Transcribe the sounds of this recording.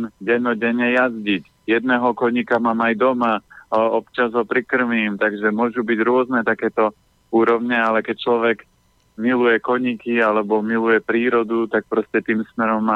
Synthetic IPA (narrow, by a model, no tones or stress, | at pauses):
ɟɛnɔɟɛɲɛjazɟic | jɛd̪̚nɛːɦɔkɔɲikamaːmajd̪ɔmaɔpt͡ʃazɦɔpɾikr̩ʋiːmt̪aɡʒɛmʊɔʒubiɟɾʊɔznɛt̪akɛːt̪ɔ | uːɾɔʊɲɛalɛkɛc̚t͡ʃlɔʋɛɡ | milujɛkɔɲikialɛbɔmilujɛpɾiːɾɔd̪ut̪ak̚pɾɔscɛt̪iːmsmɛɾɔmːaː